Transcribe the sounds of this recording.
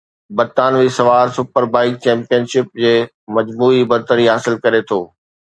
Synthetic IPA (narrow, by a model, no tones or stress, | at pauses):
bɐɾt̪aːnʋisɐʋaːɾsʊpəɾbaːɪk̚t͡ɕɛ̃ːmpijənʃɪp̚d͡ʑeː | mɐd͡ʑmuːibɐɾt̪əɾiɦaːsɪlkɐɾet̪ʰoː